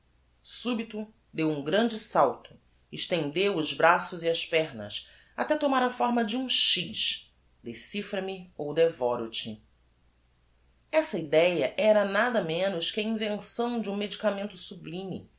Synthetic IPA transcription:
subit̪ʊ | d̪ewũɡɾɐ̃nd͡ʒɪsawt̪ʊ̥ | ɪʃt̪ẽnd̪ewʊzbɾasʊziɐspɛɾnɐ̰s | at̪ɛt̪omaɾɐfɔɾmɐd͡ʒɪũʃiʃ | d̪esifɾɐmiowd̪evɔɾut͡ʃi | ɛsɐid̪ɛjɐʔɛɾɐnad̪ɐmẽnʊʃkɪɐĩvẽsɐ̃w̃d͡ʒɪũmed͡ʒikamẽnt̪ʊ̥sublĩmḭ

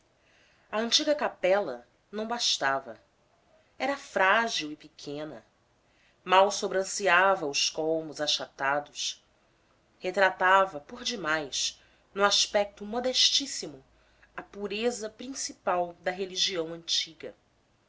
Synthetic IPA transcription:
ɐə̃nt͡ʃiɡɐkapɛlɐ | nɐ̃w̃baʃt̪avɐ̰ | ɛɾɐfɾaʒiwɪpikʰẽnɐ̰ | mawsobɾɐ̃siavɐʊskolmʊzaʃat̪ad̪ʊs | het̪ɾat̪avɐpoɾd͡ʒimajs | nũaʃpɛk̚t̪ʊmod̪ɛʃt͡ʃisimʊ | ɐpuɾezɐpɾĩsipawd̪ɐɦeliʒiɐ̃w̃ɐ̃nt͡ʃiɡɐ̰

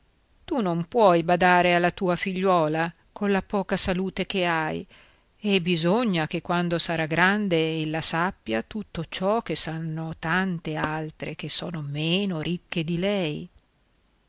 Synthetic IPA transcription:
t̪unompwɔjbad̪aːɾealːat̪uːafiʎːwɔːla | kolapɔːkasaluːt̪ek̟eaj | ebizoɲːak̟ekːwand̪osaɾaɡɾand̪eelːasapːjat̪ut̪ːot͡ʃɔk̟ːesanːot̪ant̪ealt̪ɾek̟esɔ̰ːnomeːnoɾʔikːed̪ilɛj

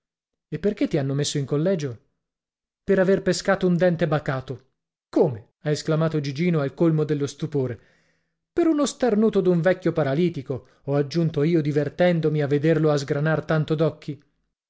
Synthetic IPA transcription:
epːerket̪ːianːomesːoiŋkolːɛːd͡ʒo | peɾaverpeskaːt̪ound̪ɛnt̪ebakaːt̪o | koːme | aesklamaːt̪od͡ʒid͡ʒiːnoalkolmod̪elːost̪upoːɾe | peɾunost̪arnuːt̪od̪uɱvɛkʲːjopaɾaliːt̪iko | ɔad͡ʒːunt̪oiːod̪ivert̪ɛnd̪omiavːed̪erloazɡɾanart̪ant̪od̪ɔkːi

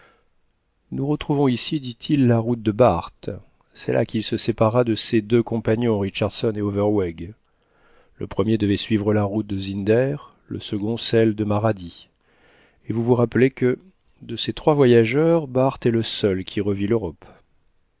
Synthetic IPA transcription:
nuʁət̪χuvɔ̃isid̪it̪ʰilːaʁut̪̚d̪əbaʁt̪ | sɛ̰lʔa̰kʲilsəsepaʁad̪əsed̪økɔ̃paɲɔ̃ʁiʃaʁd̪sɔneovɛʁwɛɡ | lə̰pχəmjed̪əvɛsɥivʁəlaʁut̪̚d̪əzind̪ɛʁ | lə̰səɡɔ̃sɛld̪əmaʁad̪i | evuvuʁapəlekə | d̪əset̪χwavwajaʒœʁbaʁt̪ɛləsœlkʲʰiʁəviløʁɔp

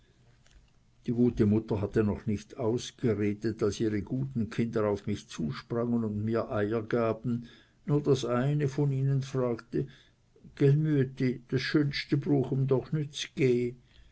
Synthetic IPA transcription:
d̥iːɡuːtəmʊtɐɦatənɔχnɪçtʰaʊsɡ̥əʁeːdətalsiːʁəɡ̥uːtn̩kʰɪndəaʊfmɪçt͡suːʃpʁaŋənʊndmiːɐʔaɪəɡ̥aːb̥n̩ | nuːɐdasʔaɪnəfɔniːnənfʁaːktə | ɡ̥ɛlmytid̥asʃøːnstəbʁuːxʊmd̪ɔχnʏt͡sɡ̥eː

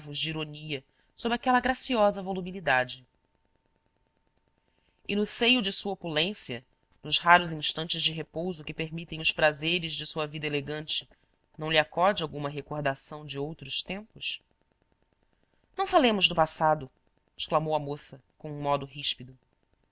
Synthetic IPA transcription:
vʊʒd͡ʒiɾoniɐ | sobɾɪakɛlɐɡɾasiɔzɐvolubilid̪ad͡ʒɪ | ɪnʊsejʊd͡ʒɪsuɐopulẽsiɐ | nʊʃɦaɾʊzĩʃt̪ɐ̃nt͡ʃɪzd͡ʒɪɦepowzʊkɪpeɾmit̪ẽj̃ʊspɾazeɾɪzd͡ʒɪsuɐvid̪ɐeleɡɐ̃nt͡ʃɪ̥ | nɐ̃w̃lɪakɔd͡ʒɪawɡũmɐɦekoɾd̪asɐ̃w̃d͡ʒɪowt̪ɾʊʃt̪ẽmpʊs | nɐ̃w̃falẽmʊʒd̪ʊpasad̪ʊ | ɪʃklamowɐmosɐkõũmɔd̪ʊɦiʃpid̪ʊ

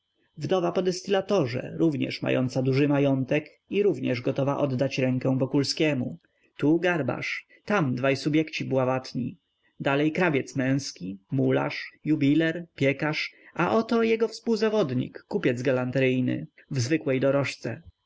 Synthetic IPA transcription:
vd̪ɔvapɔd̪ɛst̪ɘlat̪ɔʐɛ̰ɾuvɲɛ̰ʂma̰jɔ̰nt̪sad̪uʐɘmajɔnt̪ɛk | iɾuvɲɛʐɡɔt̪ɔvaʔɔd̪ːat͡ɕɾɛŋkɛw̃vɔkulskʲɛmu | t̪uɡaɾba̰ʂ | t̪amd̪vajsubʲjɛkt͡ɕibwavat̪ɲḭ | d̪alɛjkɾavʲjɛt̪smɛ̃w̃skʲimula̰ʂjubʲilɛɾpʲjɛkaʂaʔɔt̪ɔjɛɡɔfspuwzavɔd̪ɲḭkːupʲjɛd̪zɡalant̪ɾɘjnɘ̰vzvɘkwɛjd̪ɔɾɔʂt̪sɛ

